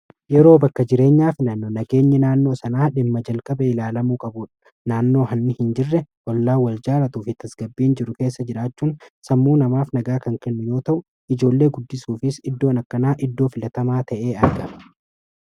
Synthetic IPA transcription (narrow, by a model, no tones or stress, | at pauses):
jɛɾo̞ːbɐkːɐd͡ʒɪɾe̞ːɲːaːfɪnɐnːonɐɡe̞ːɲːɛnaːnːoːsɐnaːᶑɪmːɐd͡ʒɐlkʼɐbɐɪlaːlɐmuːkʼɐbuːᶑɐ̥ | naːnːo̞ːɦɐnːɪhɪnd͡ʒɪrːɛwɔlːaːwɐld͡ʒaːɾɐt̪uːfɪt̪ɐsɡ̥ɐbːiːnd͡ʒɪɾʊke̞ːsːɐd͡ʒɪɾaːt͡ʃːuːnsɐmːuːnɐmaːfnɐɡaːkɐŋkɛnːʊjo̞ːt̪ɐʔʊ | ɪd͡ʒo̞ːlːe̞ːɡʊd̪ːɪsuːfɪsɪd̪ːo̞ːnɐkːɐnaːʔɪd̪ːo̞ːfɪlɐt̪ɐmaːt̪ʰɐʔe̞ːɐɾɡɐ̥